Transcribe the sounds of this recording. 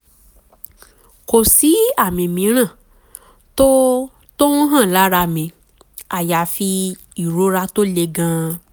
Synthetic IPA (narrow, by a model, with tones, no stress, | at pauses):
ko˨si˨˦a˦˨mĩ˨mĩ˨˦ɾ̃ã˦˨ | to˦ | to˦ũ˦ɦã˦˨la˨˦ɾa˧mĩ˨˧ | a˨ja˨fi˧ | i˨ɾo˦ɾa˧˦to˦le˧ɡã˧˦